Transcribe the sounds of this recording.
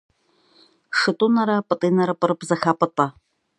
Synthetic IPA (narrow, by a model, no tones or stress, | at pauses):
ʂɨtʼunɐɾɐpʼɨtʼiːnɐɾɐpʼɨɾɨpzɐxaːpʼɐtʼɐ